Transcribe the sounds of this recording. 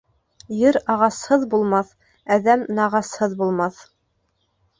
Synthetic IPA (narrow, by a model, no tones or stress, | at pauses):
jɘɾɑʁɑshɤðbulˠmɑθ | æðæmnɑʁɑshɤðbulˠmɑθ